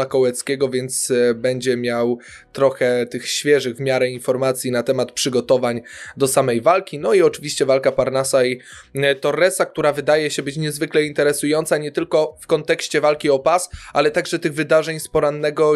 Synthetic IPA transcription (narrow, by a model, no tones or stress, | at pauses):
akɔwɛt̪skʲɛɡɔvʲjɛnt̪sbɛɲd͡ʑɛmʲjaw | t̪ɾɔxɛt̪ɘxɕfʲjɛʐɘɣvmʲjaɾɛinfɔɾmat̪sʲjinat̪ɛmat̪pʂɘɡɔt̪ɔvaɲd̪ɔsamɛjvalkʲinɔiɔt͡ʂɘvʲiɕt͡ɕɛvalkapaɾnasait̪ɔrːɛsak̚t̪uɾavɘd̪ajɛɕɛbɘt͡ɕɲɛzvɘklɛint̪ɛɾɛsujɔnt̪saɲɛt̪ɘlkɔfkɔnt̪ɛkɕt͡ɕɛvalkʲiɔpasalɛt̪aɡʐɛt̪ɘɣvɘd̪aʐɛɲspɔɾanːɛɡɔ